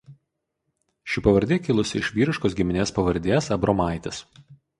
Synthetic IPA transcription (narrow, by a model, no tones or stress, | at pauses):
ʃʲɪpɐʋɐɾʲd̪ʲeːkʲɪlˠʊsʲɪɪʃʲʋʲiːɾʲɪʃkoːsɡʲɪmʲɪnʲeːspɐʋɐɾʲd̪ʲeːsɐbɾoːmɑˑɪt̪ʲɪs